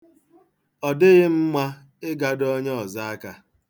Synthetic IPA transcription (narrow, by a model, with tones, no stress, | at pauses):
ɔ˨dɪ˦ɣɪ˦m̩˦mʷa˦ | ɪ˦ɡa˦dɔ˦ɲ˦ɔ˨za˦a˦ka˨